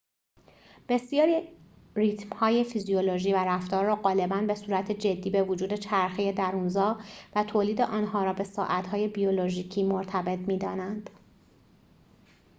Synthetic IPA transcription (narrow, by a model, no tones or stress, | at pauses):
b̥e̞sijɒːɾi | rit̪ʰmhɒːje̞fizijoloʒiːvæɾæft̪ɒːɾːɒːɢɒːle̞bænbe̞suːɾæt̪ʰed͡ʒe̞d̪ːiːbe̞vod͡ʒuːd̪e̞t͡ʃʰæɾxeje̞d̪æɾuːnzɒːvæt̪ʰoːliːd̪eʔɒːnɦɒːɾɒːbe̞sɒːʔæt̪hɒːje̞bijoloʒiːcʰiːmoɾt̪ʰæbe̞t̪ʰmiːd̪ɒːnænd̪̥